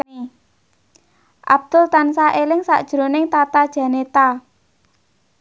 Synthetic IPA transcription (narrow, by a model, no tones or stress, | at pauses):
ʔa̰b̥̚d̪̥ʊ̤lt̪ansaʔelɪŋsa̰ʔd̥ʒ̥ɾo̤nɪŋt̪at̪ad̥ʒ̥ä̤net̪a